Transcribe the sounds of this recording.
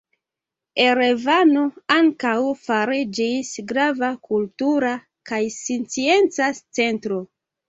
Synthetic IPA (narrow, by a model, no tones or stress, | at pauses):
eɾevano̞aŋkawfaɾid͡ʒisɡɾavakultuɾa | kajsint͡sie̞nt͡sat͡se̞ntɾo̞